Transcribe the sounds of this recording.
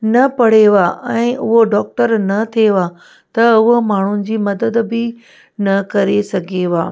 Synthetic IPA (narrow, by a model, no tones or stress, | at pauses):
nɐpɐɽ̤eʋaːʔɛ̃ːʔʊɦoɖɔːk̚ʈəɾnɐt̪ʰieʋa | t̪ɐʊɦomaːɳ̤ʊnɪ̆d͡ʑiːmɐd̪əd̪bɪ | nɐkɐɾesɐɡʱeʋaː